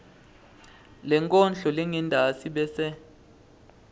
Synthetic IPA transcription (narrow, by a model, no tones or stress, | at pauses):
lɛŋkʼɔnd͡ɮɔleŋindʱasiɓɛsɛ